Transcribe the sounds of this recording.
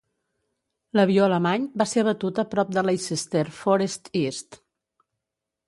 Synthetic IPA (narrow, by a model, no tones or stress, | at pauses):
ləβioələmaɲbaseɾβət̪ut̪əpɾɔp̚d̪əlajsist̪eɾfɔɾest̪ist̪